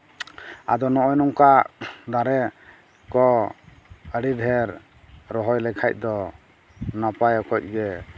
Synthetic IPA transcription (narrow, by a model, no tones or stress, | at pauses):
a̰d̪ɔnɔʔɔjnɔŋkad̪aɾɛ | kɔ | əɽid̪ʱɛɾ | ɾɔɦɔjlɛkʰajc̚ˀd̪ɔ | napajɔkʰɔc̚ˀɡɛ